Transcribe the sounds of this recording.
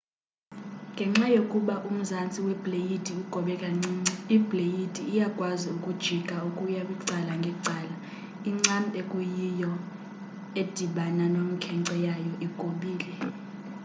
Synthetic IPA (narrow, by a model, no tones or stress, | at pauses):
ŋɡʱɛŋ͡ǁajokʼuɓaʔum̩zant͡sʼiwɛb̥ʱlejitʼiuɡ̥ʱɔɓɛkʼaŋ͡ǀiːŋ͡ǀiib̥ʱlejitʼiːjaɡ̥ʱʼwaziukʼud̥ʒ̥ʱiɡ̥ʼʱaukʼujaɓiǀalaŋɡʱɛǀʱaːla | iŋ͡ǀantʼɛkʼujijɔ | ed̥ʱiɓananomikʰɛŋǀɔjajɔʔiɡ̥ʱoɓiːlɛ